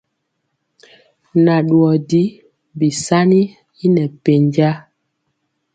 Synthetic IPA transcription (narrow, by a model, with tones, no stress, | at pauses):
na˨ɗwɔ˨di˦ | bi˨sa˦ni˦ | i˦nɛ˨pe˨ɲd͡ʒa˦